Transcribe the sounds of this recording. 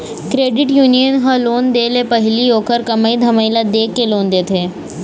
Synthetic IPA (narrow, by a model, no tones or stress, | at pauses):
kɾeɖiʈjunijənɦə̃lond̪elepəɦiliːokʰəɾkəməid̪ʱəməjlad̪ekːelond̪et̪ʰe